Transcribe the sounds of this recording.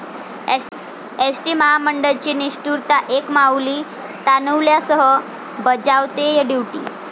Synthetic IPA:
esʈiːməɦaməɳɖəlt͡ɕiːniɕʈuɾt̪aʔekmawliː | t̪anuwljasəɦə | bəd͡zawt̪ejaɖiwʈḭː

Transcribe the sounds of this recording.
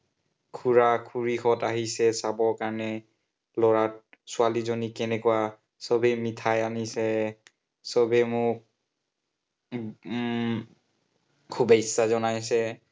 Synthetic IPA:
kʰuɹakʰuɹixɔtaɦisɛsabɔɹkaɹɔnɛ | lɔɹat̚sʊalizonikɛnɛkua | sɔbɛmitʰajanisɛ | sɔbɛmʊk̚ | kʰubɛsːazɔnajsɛ

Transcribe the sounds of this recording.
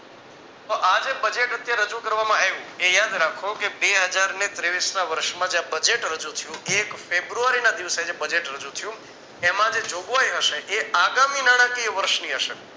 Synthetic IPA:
t̪oʔad͡ʒebəd͡ʒeʈət̪jaɾəd͡ʒukəɾʋamãeʋũejad̪ɾakʰokebeɦəd͡ʒaɾnet̪ɾeʋisnaʋəɾʃmãd͡ʒeãbəd͡ʒeʈɾəd͡ʒut̪ʰəjũekfebɾuaɾinad̪iʋsed͡ʒebəd͡ʒeʈɾəd͡ʒũt̪ʰəjũ | emãd͡ʒed͡ʒoɡʋajɦəʃeʔeaɡaminaɽ̃akiʋəɾʃniɦəʃe

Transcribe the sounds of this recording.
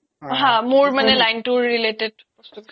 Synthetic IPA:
ɦãmuɹmanelajnʈuɹːileʈeɖ

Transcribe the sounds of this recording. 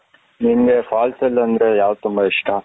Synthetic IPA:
ninɡefaːlsɐlːɐnd̪ɾe̞jaːʋɐd̪t̪ːumbɐiʂʈʰɐ

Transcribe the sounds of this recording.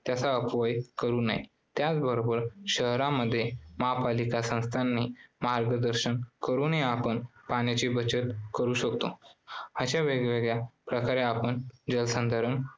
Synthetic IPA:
t̪jat͡saəpʋəjkəɾuːna̰ḭ | t̪jat͡sbəɾobəɾɕəɦɾaməd̪ʱːjemaɦapalikasə̃w̃st̪ʰanːimaɾɡəd̪əɾɕənkəɾuːnɦeapəɳpañjat͡ɕibət͡ɕət̪kəɾuːɕəkt̪oəɕaʋeɡʋeɡɭjapɾəkaɾeapəɳd͡ʑəlsə̃nd̪ʱaɾən

